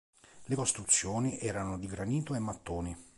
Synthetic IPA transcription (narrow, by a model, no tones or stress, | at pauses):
lekost̪ɾut̪sːjoːniʔɛːɾanod̪iɡɾaniːt̪oemːat̪ːoːni